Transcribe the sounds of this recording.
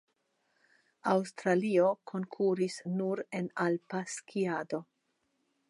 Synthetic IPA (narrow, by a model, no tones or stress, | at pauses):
awst̪ɾalio̞kʰo̞ŋkʰuɾisnuɾe̞nalpaskʰiado̞